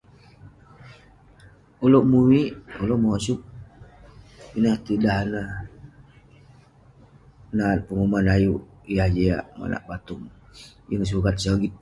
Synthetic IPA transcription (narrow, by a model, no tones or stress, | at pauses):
oloʔmuwiʔoloʔmaasuk̚ | inaht̪idaɦana | nan̚pəŋumanajuʔ | jahd͡ʒea̰ʔma̰na̰ʔbat̪uŋjəŋs̬ukat̪̚saɡit̪̚